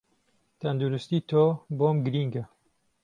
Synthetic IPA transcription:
t̪ʰɐnd̪uɾust̪iːt̪ʰoːboːmɡɨɾiːŋɡɐ

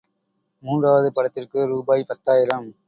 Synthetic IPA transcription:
muːɳɖraːʋɐðɯpɐɽɐt̪ːɪrkɯɾuːbaːjpɐt̪ːaːjɪɾɐm

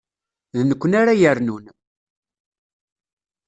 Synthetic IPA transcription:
ðnəkʷːənaɾajəɾnun

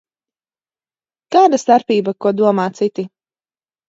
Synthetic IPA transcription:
kaːd̪ast̪aɾpiːbakuɔd̪uɔmaːt̪sit̪i

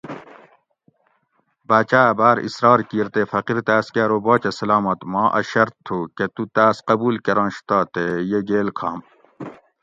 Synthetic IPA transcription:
baːt͡ɕaːbaːɾḭsɾɑːɾkiːɾt̪eːfɐqiɾt̪aːskaːɾoboːt͡ɕɐsɐlaːmɐt̪mɑ̃ːʔɐ̰ɕɐɾt̪ʰːoːket̪ut̪aːsqɐbuːlkeɾɑ̃ːnɕt̪aːt̪ejeɡeːlkʰa̰ːm

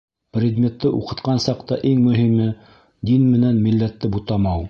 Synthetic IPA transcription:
prʲɪd̪mʲet̪ːɤʔṵqɤ̆t̪qɑnsɑqt̪ɑʔiŋmɵ̆ɦimɘ | d̪inmɘ̆nænmilːæt̪ːɘbut̪ɑmɑw

